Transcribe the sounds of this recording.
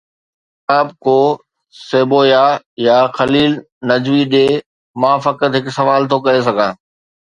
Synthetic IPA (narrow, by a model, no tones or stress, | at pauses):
aːb̚koː | seːboːja | jaxɐliːl | nɐd͡ʑʋiɗeː | mãːfɐkət̪ɦɪksɐʋaːlt̪ʰokɐɾes̬ɐɡʱãː